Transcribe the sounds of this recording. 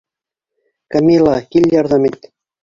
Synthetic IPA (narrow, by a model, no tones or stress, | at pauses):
kɑmʲilˠɑkilʲjɑrd̪ɑmet̪̚ʲ